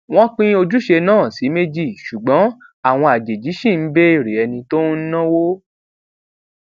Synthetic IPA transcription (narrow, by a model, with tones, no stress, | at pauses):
w̃ɔ̃˦k͡pĩ˦o˧d͡ʒu˦ʃe˧nãː˦˨si˨˦me˦d͡ʒi˦˨ʃu˨ɡ͡bɔ̃˨˦ | a˦˨w̃ɔ̃˧a˨d͡ʒe˨d͡ʒi˨˦ʃĩ˦˨n̩˨˦be˦i˦˨ɾe˨ɛ˧nĩ˧to˦n̩˦nã˦wo˦